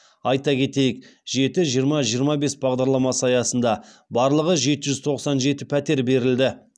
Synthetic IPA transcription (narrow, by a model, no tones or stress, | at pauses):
ɑjt̪ɑkʲʰe̞t̪e̞jɪk̚ʒe̞t̪ɪʒijəɾmɑʒijəɾmɑbe̞sbɑʁd̪ɑɾlˠɑmɑsɑjɑsənd̪ɑ | bɑɾlˠəʁəʒe̞t̪ɪʒʏzt̪ʰo̞qsɑnʒe̞t̪ɪpʰæt̪e̞ɾbe̞ɾɪld̪ɪ